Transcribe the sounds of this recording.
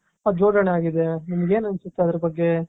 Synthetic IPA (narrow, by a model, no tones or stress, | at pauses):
ad͡ʒoːd̪ɐɳeaːɡid̪enɐmɐɡe̞ːnɐnsut̪ːeɐd̪ɐɾɐbɐɡːe